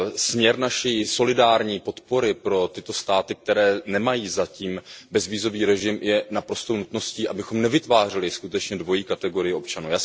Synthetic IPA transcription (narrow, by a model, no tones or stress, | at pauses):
smɲɛɾnaʃiːso̞lɪdaːɾɲiːpo̞t̪po̞ɾɪpɾo̞t̪ɪt̪o̞st̪aːt̪ɪk̚t̪ɛɾɛːnɛmajiːzaciːmbɛzviːzo̞viːɾɛʒɪmjɛnapɾo̞st̪ownut̪no̞sciːʔabɪxo̞mnɛvɪt̪vaːr̝ɪlɪskut̪ɛt͡ʃɲɛdvo̞jiːkat̪ɛɡo̞ɾɪjɪʔo̞p̚t͡ʃanuːjaːs